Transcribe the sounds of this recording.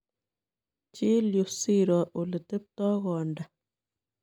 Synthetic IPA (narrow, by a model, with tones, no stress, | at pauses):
t͡ʃi˦ljo˨si˦ɾɔ˨ʔo˨lə˨tə˦p̚tɔː˦ɣɔ˨nda˨